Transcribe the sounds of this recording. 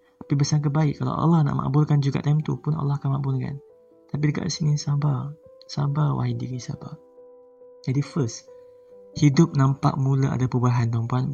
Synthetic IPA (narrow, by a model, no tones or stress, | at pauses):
t̪apibəsaŋk̬ət̚baɪʔkkːala̰ʔa̰lɑhna̰ʔma̰ʔbʊlkand͡ʒuɡa̰ʔt̪amt̪upʊna̰lːɑhkanmãʔbʊlka̰n | t̪ap̬idəɡa̰ʔsinĩsabasabawʔa̰ɦidikisa̰ba̰ | d͡ʒadifəs | hidʊp̚nãmpa̰ʔ̚muləʔa̰dapəubaɦant̪ampuan